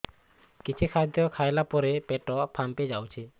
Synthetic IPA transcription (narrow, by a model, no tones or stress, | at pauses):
kit͡ʃʰikʰad̪jɔkʰajlapɔɾepeʈɔpʰamped͡ʒawt͡ʃʰi